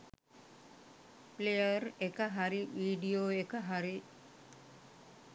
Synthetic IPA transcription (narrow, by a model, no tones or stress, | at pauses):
plejərekəɦaɾiʋiːɖijoːekəɦaɾi